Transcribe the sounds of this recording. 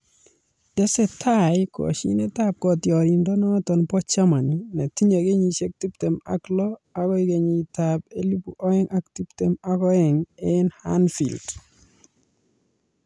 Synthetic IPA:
d̥ɛ˦sɛ˦tʰaɪkɔ̰˨ʃḭ˦ne˦ta˦p̚kɔ˨tjɔ˨ɾi˨ndɔ˦nɔ˦tɔ˨npɔ˦t͡ʃa˦ma˨ni˨na˨ti˦ɲa˨ɡe˦ɲi˨t͡ʃe˦k̚ti˦pte˨ma̰klɔ˦a˦kɔ˦i˦ɡe˨ɲi˨tab̚e˦li˦pu˨ʔɔ˦ɛ˦ŋʔa˦k̚ti˦pte˨makɔ˦ɛ˨ŋenha̰nfḭ˨ld

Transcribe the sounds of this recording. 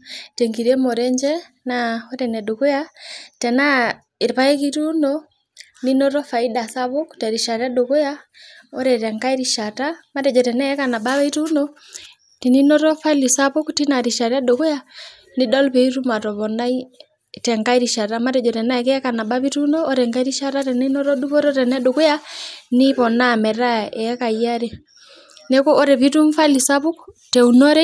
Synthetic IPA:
tɛŋɡi˨ɾɛ˦mɔ˨ɾɛɲd͡ʒɛ | naɔ˦ɾɛnɛ˨do˨ko˦jatɛna˦ | e˨ɾpa˦ɛki˦ɾu˦nɔ | ninɔ˦ɾɔ˦fa˨ida˨sa˦βɔ˦ktɛɾi˨ʃa˨ɾa˦doko˦jaɔ˦ɾɛtɛ˨ŋka˦iɾiʃa˨tama˦ɾɛ˨d͡ʒɔtɛ˨na˦ɛ˦kana˨ba˦βa˦i˦ɾu˦nɔ | tini˦nɔ˦ɾɔ˦faili˨sa˦βɔ˦ktina˨ɾiʃa˨ɾa˦doko˦ja | ni˦ɗɔ˦lpɛ˨i˦tu˦ma˨tɔ˨βɔ˨na˦i˦ | tɛ˨ŋka˦i˦ɾi˨ʃa˨ta˦ma˦tɛ˨d͡ʒɔ˨tɛ˨na˦ɛkɛɛ˦ka˨na˨ɓa˦βi˦tu˦nɔː˦ɾɛ˨ŋka˦i˦ɾi˦ʃa˦ta˦tɛni˦nɔ˦ɾɔ˦du˦βɔ˦ɾɔ˦tɛ˨nɛ˦ɗo˨ku˦ja˦ni˦βɔ˨na˦mɛ˨ɾa˦ɛ˨a˦ka˨ia˦ɾɛ | nɛ˦kɔ˦ʔɔ˦ɾɛ˨βi˦tu˦mfa˦li˨sa˦βu˦k | tɛ˨unɔ˦ɾɛ˦

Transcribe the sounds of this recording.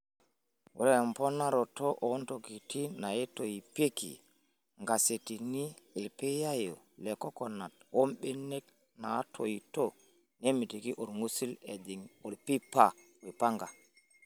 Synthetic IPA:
wo̰˨le˦e˨mpo˦na˦ɾo˨to˦ʔo˨˦nto˨ɡi˨ti˦na˨je˦to˨ji˨pe˦kḭ˨ | ŋɡa˨se˨ti˨ni˦ | e˨pe˦ja˦jo˨ | le˨ko˦ko˨na˨two˦mɓe˦ne˦k | na˨˦tʰo˨ji˨to˦ | ne˦mi˨ti˨ki˦ʔo˨ɾŋu˦si˦le˨di˨ŋo˨ɾpi˦pa˦˨ | o˨ji˨pa˦ŋɡa˨

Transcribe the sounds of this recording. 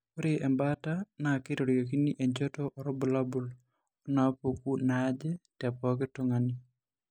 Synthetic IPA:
ko˦ɾeʔɛ˨mbata˦na˨kɪ˦ɾo˨ɾjo˨ki˦ni˦ʔɛ˨ɲd͡ʒɔ˦tɔʔɔɾɔ˦bʊ˨la˦bʊ˨l | o˦na˨po˨ku˦na˦d͡ʒɛ˦tɛ˨pɔ˦kɪ˦toŋani˨

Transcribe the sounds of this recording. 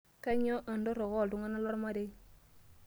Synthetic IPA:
ka˦ɲ˦o˦ʔa˨ndo˦ɾo˨ɣo˦˨ldu˦ŋa˦na˦lo˦ɾma˦de˦

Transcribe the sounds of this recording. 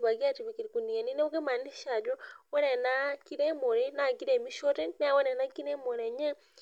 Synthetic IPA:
βa˨ɡi˦a˦ti˨βi˨ki˨ɾiku˨ni˨a˨ni˦ne˦u˦ɡe˦ma˨ni˦ʃa˨d͡ʒo˦wɛ˦ne˨na˦ki˦ɾe˦mo˨ɾe˦na˨ki˦ɾe˨mi˦ʃo˦te˦na˦˨we˦ne˨na˦ki˦ɾe˦mo˨ɾe˨ɲɛ˦

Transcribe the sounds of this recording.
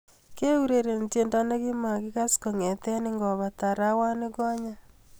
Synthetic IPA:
ke˦u˦ɾe˨ɾe˨nte˨nda˦na˦ki˦ma˨kɪ˦ka˦sko˨ŋe˨tɛ˦nɪ˦ŋɡɔ˨βa˨ta˨ɾa˦wa˦nɪ˦kɔ˦ɲa˦

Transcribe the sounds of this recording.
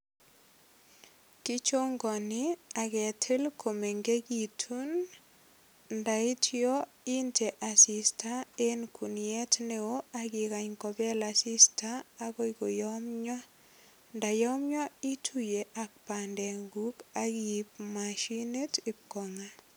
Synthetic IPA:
ki˦t͡ʃo˦ŋɡɔ˨nɪa˨ɡɛ˨tʰe˦lkʰo˨me˨ŋɡe˦ɡi˨tʰu˦n | nda˨i˦tʰiɔ˦ | i˦nte˨ʔa˨si˨stʰa˦e˦nkʰu˨njɛ˦tne˦o˦a˦ɡɪ˨ka˨ɲkɔ˨bɛ˦la˨sɪ˦staː˦kɔ˦i˦ɡo˨jɔ˦mɲɔ˦ | nda˨jɔ˦mɲɔ˦i˦tʰu˦je˨ʔa˨k̚pa˨ndɛ˨ŋɡu˦ka˦ɡi˨p̚maʃi˦ne˦tɪ˨kɔ˨ŋa˦

